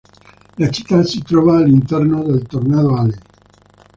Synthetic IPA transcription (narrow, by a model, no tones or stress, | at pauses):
lat͡ʃi̥t̪ːasit̪ɾɔːvaːlint̪ɛrnod̪elt̪ornaðoale